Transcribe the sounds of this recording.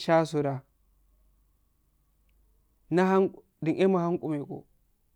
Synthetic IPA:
ʃa˦su˨ɾa˨ | na˦ɦa˦ŋ˨ | di˨ŋʔe˦ma˨ha˦ŋkʼu˨me˨ko̰˨

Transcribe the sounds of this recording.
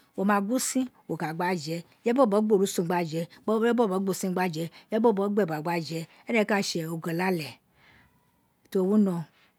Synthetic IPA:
wo˨mã˨ɡu˦sĩ˦wo˨ka˨ɡ͡ba˦d͡ʒɛ˨ | jɛ˦bɔ˦˨bɔ˨˦ɡ͡bo˦˨ɾu˨˦sõ˨ɡ͡ba˦d͡ʒɛ˨˦bɔ˦˨bɡ͡bo˦˨si˦ɡ͡ba˦d͡ʒɛ˨˦jɛ˦o˦˨bɔ˦ɡ͡bɛ˦˨ba˨ɡ͡ba˦d͡ʒɛ˨˦ | ɛ˦nɛ˦ka˦˨ʃɛ˨o˨ɡɛ˨la˦lɛ˨ | to˨wu˦nɔ̃˧

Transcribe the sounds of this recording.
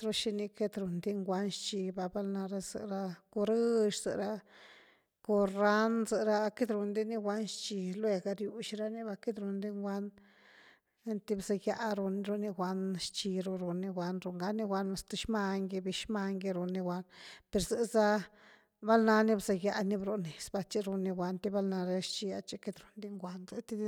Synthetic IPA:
ɾo˦ʃi˧ni˧ke˦t̪ɾu˨nd̪i˦ŋɡʷa˧nʃt͡ʃi˧ba˧ba˦lna˧ɾa˧zɨ̰˨ɾa˧ko˧ɾɨ˦ʃz̥ɨ̰˧˨ɾa˧ | ko˧ɾa˦nzɨ˨ɾa˧ke˦d̪ɾu˧nd̪i˦ni˦ɡʷa˦nʃt͡ʃi˧lwe˧ɡa˧ɾju˧ʃi˧ɾa˦ni˦ba˧ke˦d̪ɾu˧nd̪i˦ŋɡʷa˦n˦ | nt̪i˦bza˧ja˧ɾo˧n˧ɾo˧ni˧ɡʷa˧nʃt͡ʃi˧ɾo˧ɾo˧ni˧ɡʷa˧nɾo˧˨ŋɡa˧˦ni˧ɡʷa˧na˧st̪a˧ʃma˧ŋɡi˧bi˧ʃma˧ŋɡi˧ɾo˧nːi˧ɡʷa˧npe˨ɾze˧za˦ | ba˦lna˧ni˦bza˧ja˧ni˧bɾo˧ni˨sba˧t͡ʃi˧ɾo˧ni˧ɡʷa˧nt̪i˦ba˦lna˧ɾa˧ʃt͡ʃi˧a̰˧t͡ʃe˧ke˧d̪ɾo˨nd̪i˦ŋɡʷa˧nze˧t̪i˦

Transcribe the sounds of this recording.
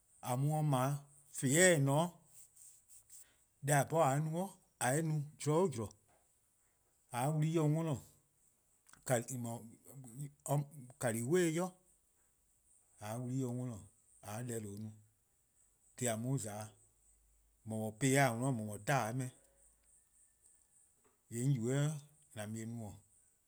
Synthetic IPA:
a˨mũ˧˦ɔ̃˧mã˨˦ | fe˨˦ɛː˦˨nɔ̃ː˨˦ | dɛ˧˦a˨pɔ˦a˨˦nũ˧˦ɔ̃˦ | a˨e˦nũ˧˦d͡ʒɔ˨˦o˦d͡ʒu˨ɾɔ˨ | a˨˦wu˧li˦õ˧˦ŋɔ̃˦lɔ̃˨ | ka˨mɔ̃˨˧ | ka˨liː˨˦we˦jɔ˦ | a˨˦wu˧li˦jõ˧ŋɔ̃˧lɔ̃˨ | a˨˦lɛ˧˦lo˨˦nũ˧˦ | d̥e˨˦a˨mũ˦zaː˨˦ | mɔ̃˨mɔ̃˨peː˧˦a˦˨ŋɔ̃˧lɔ̃˨˦˨mɔ̃˨ɔ̃˨˦taː˦˨˦mɛ̃˧˨˦ | jɛ̃˨˦u˨wɛ˦ | nã˨mĩ˧ẽ˧˦nũ˧˦ɔ̃˨

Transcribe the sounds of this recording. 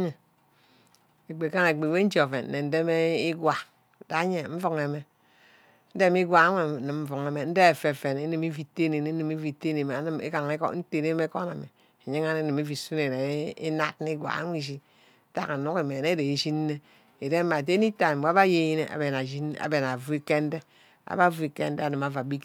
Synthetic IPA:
e˨ | e˨k͡pe˨ka˦na˨e˨k͡pe˨we˦n̩˦d͡ʒo˨fḛ˨n˨ne˨n̩˦de˦me˦i˦ɡwa˨ | da˨˦ɲe˨ɱ̩˦fu˦ŋe˨me˦ | n̩˦de˦m˦i˦ɡʷa˨a˦ŋʷ˦e˨nɨ˨m˦ɱ̩˦fu˨ŋe˨me˨n̩˦de˦e˨fe˨fe˨ne˦nɨ˦˨mi˦fi˦te˦ne˨ne˨˦nɨ˨me˦vi˨te˦ne˨me˨˦n˦mḛ˦ka˨ŋe˦ko̰˦n̩˦te˦˨ne˦me˦ko˦na˨me˨ | e˨ɲi˦ŋa˦ne˦ni˨mi˦vi˨su˦ne˨ɾe˨˦ḭ˦na˦tn˦i˦ɡʷa̰˨a̰˦ŋʷ˦i˨ʃi˦ | ta˦ka˨nu˦ke˨me˨ne˦de˨e˨ʃi˦n˦ne˦ | e˨de˦ma˨te˦ni˦ta˨m˨ba˦βa˦je˦˨ji˦ne˨ʔa̰˨be˨na˨d͡ʒi˦na̰˨be˨na˨vu˦e˦ke˦n̩˦de˦ | a̰˨ba˦vu˦e˨kḛ˦n̩˦de˦a˨nɨ˨ma˨va˨bi˦k

